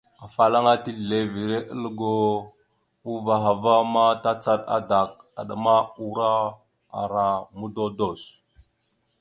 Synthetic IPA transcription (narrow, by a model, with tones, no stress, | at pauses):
a˨fa˨la˦ŋa˦ti˦˨le˨vi˨ɾe˦ʔə˦lɡo˦ | u˦va˨ɦa˨va˦ma˦ta˦t͡sa˦ɗa̰˦da˨k̚ | a̰˨ɗa˨ma˦u˦ɾa˦ | a̰˨ɾa˨mu˦do˦do˦˨s